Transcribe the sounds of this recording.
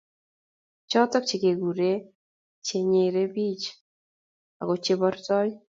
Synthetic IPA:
t͡ʃɔ˦tɔ˦k̚t͡ʃe˨ke˨ɡu˨ɾe˦ | t͡ʃe˨ɲe˨ɾe˦bi˦t͡ʃ | a̰˨ɡɔ˨t͡ʃe˦bɔ˦ɾtɔ˦j

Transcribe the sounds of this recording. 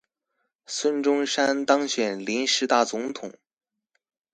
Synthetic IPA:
swə˥nʈ͡ʂʊ˥ŋʂa˥nt̪ɑ˥ŋɕɥɛ˨˩nli˧˥nʂɻ̩˧˥t̪a˥˩t͡sʊ˧˥ŋt̪ʰʊ˨˩˦ŋ

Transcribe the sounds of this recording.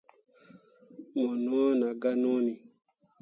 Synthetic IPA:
mɔ˨nɔ̃˦na˨ɡa˦nɔ̃˦nĩ˨

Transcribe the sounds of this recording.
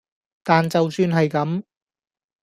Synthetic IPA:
t̪aː˨nt͡sɐ˨wsyː˧nɦɐ˨jkɐ˨˥m

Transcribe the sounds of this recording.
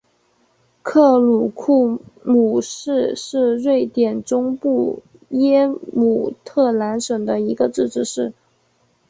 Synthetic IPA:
kʰɤ˥˩lu˨˩kʰu˥˩mu˨˩ʂɻ̩˥˧ʂɻ̩˥˧ɻwe˥˩ɪt̪jɛ˨˩nʈ͡ʂʊ˥ŋpu˥˩ | jɛ˥mu˨˩t̪ʰɤ˥˩la˧˥nʂɤ˨˩ŋd̪ə˦i˧˥ɡə˧ʈ͡ʂɻ̩˥˧ʈ͡ʂɻ̩˥˧ʂɻ̩˥˩

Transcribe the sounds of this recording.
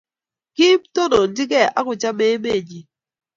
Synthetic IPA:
ki˦pto˦no˨n̩˦dɪ˦k̬ɛ˦˨ʔa̰˦kʊ˨t͡ʃa˦me˦me˦˨ɲi˨˦

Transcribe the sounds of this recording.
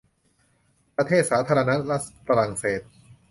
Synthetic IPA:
pɾa˧t̪ʰeː˥˩t̪̚saː˩˦t̪ʰaː˧ɾa˧na˦˥ɾa˦˥t̪̚fa˧ɾaː˧˩ŋseː˨˩t̪̚

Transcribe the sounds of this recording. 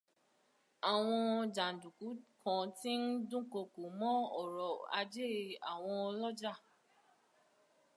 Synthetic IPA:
a˨w̃ɔ̃˧d͡ʒa˨n̩˨du˨ku˨˦kʰã˨ti˦n̩˦dũ˦ko˧˨ko˨mɔ̃˦ɔ̰˦˨ɾɔ˨a̰˧d͡ʒe˦˨a̰˨w̃ɔ̃˧ɔ˧lɔ˦d͡ʒa˦˨

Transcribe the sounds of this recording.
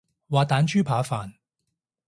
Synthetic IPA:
waː˨˧t̪aː˨˥nt͡ʃyː˥pʰaː˨˥faː˨n

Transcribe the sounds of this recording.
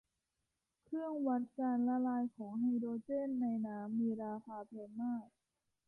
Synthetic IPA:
kʰɾɯ˥˩əŋwa˦˥n̚kaː˧nla˧laː˧jkʰɔː˩˦ŋha˧jdoː˧t͡ɕeː˥˩nːa˧jnaː˦˥mːiː˧ɾaː˧pʰaː˧pʰeː˧nmaː˥˩k̚

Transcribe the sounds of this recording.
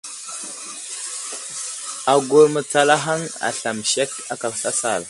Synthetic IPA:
a˨ɡo˨ɾmə˨t͡sa˨la˦ɦa˦ŋa̰˨ɬa˨mʃe˦k | a˦ka˨sa˦sa˦˨l

